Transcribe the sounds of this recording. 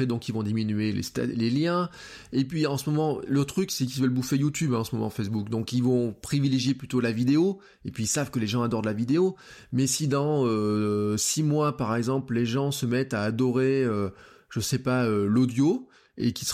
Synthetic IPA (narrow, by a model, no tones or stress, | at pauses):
ed̪ɔ̃kilvɔ̃d̪iminyelḛst̪a̰leljɛ̃ | epɥiɑ̃səmɔmɑ̃lot̪χyksɛk̬ilvœlbufejut̪ybɛ̃ɑ̃səmɔmɑ̃fɛs̬bukd̪ɔ̃kilvɔ̃pχivileʒjeplyt̪olavid̪eo | epɥiːlsavkəleʒɑ̃ad̪ɔʁd̪əlavid̪eo | mɛsid̪ɑ̃øsimwapaʁɛɡzɑ̃plleʒɑ̃səmɛt̪aːd̪ɔʁeø | ʒ̥əsɛpaølɔd̪jo | ekis